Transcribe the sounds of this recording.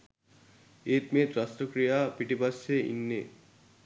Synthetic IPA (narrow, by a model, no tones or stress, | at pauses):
et̪met̪ɾast̪ɾokɾijapiʈibaseḭnːe